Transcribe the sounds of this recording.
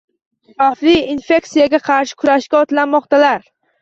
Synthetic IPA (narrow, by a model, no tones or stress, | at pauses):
faflɪinfe̞ksijaɡʲaqʰɑɾʃɪ̥kʲʰʊɾaʃkʲaɒt̪lanmɒqt̪ʰalaɾ